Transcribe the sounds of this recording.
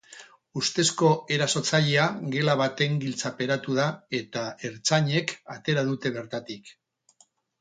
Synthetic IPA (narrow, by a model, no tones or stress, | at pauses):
ust̪e̞sko̞e̞ɾaso̞t͡saʎeaɡe̞laβat̪e̞ŋɡilt͡sape̞ɾat̪uð̞ae̞t̪ae̞ɾt͡saɲe̞kat̪e̞ɾaðut̪e̞β̞e̞ɾt̪at̪ik